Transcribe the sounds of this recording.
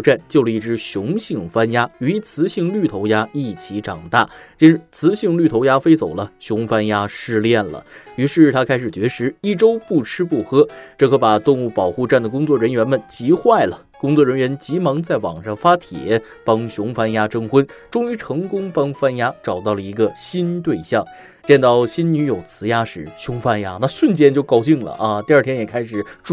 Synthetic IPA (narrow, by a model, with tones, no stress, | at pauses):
ʈ͡ʂa˥˩nt͡ɕjo˥˧ʊ˧i˥˩ʈ͡ʂɻ̩˥ɕjʊ˧˥ŋɕi˥˩ŋfa˥nja˥y˧˥˧t͡sʰɹ̩˧˥ɕi˥˧ŋly˥˩t̪ʰo˧˥ʊja˥i˥˩t͡ɕʰi˧˥ʈ͡ʂɑ˨˩ŋt̪a˥˩t͡ɕɛ˧˥ʂɻ̩˥˩t͡sʰɹ̩˧˥ɕi˥˧ŋly˥˩t̪ʰo˧˥ʊja˥fe˥ɪt͡so˨˩ʊlə˦ɕjʊ˧˥ŋfa˥nja˥ʂɻ̩˥˧ljɛ˥˩nlə̰˩y˧˥ʂɻ̩˥˩t̪ʰa˥kʰa˥ɪʂɻ̩˨˩t͡ɕɥɛ˧˥ʂɻ̩˧˥i˥˩ʈ͡ʂo˥ʊpu˥˩ʈ͡ʂʰɻ̩˥pu˥˩xɤ˥ʈ͡ʂɤ˥˩kʰɤ˧˥pa˨˩t̪ʊ˥˧ŋu˥˩pɑ˨˩ʊxu˥˧ʈ͡ʂa˥˩nd̪ə˩kʊ˥ŋt͡swɔ˥˩ɻə˧˥nɥɛ˧˥nmə˨nt͡ɕi˧˥xwa˥˩ɪlə˩kʊ˥ŋt͡swɔ˥˩ɻə˧˥nɥɛ˧˥nt͡ɕi˧˥mɑ˧˥ŋt͡sa˥˩ɪwɑ˨˩ŋʂɑ˥˩ŋfa˥t̪ʰjɛ̰˨˩˦ | pɑ˥ŋɕjʊ˧˥ŋfa˥nja˥ʈ͡ʂɤ˥ŋxwə˥nʈ͡ʂʊ˥ŋy˧˥ʈ͡ʂʰɤ˧˥ŋkʊ˥ŋpɑ˥ŋfa˥nja˥ʈ͡ʂɑ˨˩ʊt̪ɑ˥˩ʊlə˩i˧˥ɡə˧ɕi˥nt̪we˥˧ɪɕjɑ˥˩ŋ | t͡ɕjɛ˥˧nt̪ɑ˥˩ʊɕi˥nny˧˥jo˨˩ʊt͡sʰɹ̩˧˥ja˥ʂɻ̩˨˩˦ɕjʊ˧˥ŋfa˥nja˥na˥˧ʂwə˥˩nt͡ɕjɛ˥nt͡ɕjo˥˧ʊkɑ˥ʊt͡ɕi˥˩ŋlə̰˩ʔɐ˧t̪i˥˧ɐ˞˥˩t̪ʰjɛ˥njɛ˨˩kʰa˥ɪʂɻ̩˨˩˦ʈ͡ʂ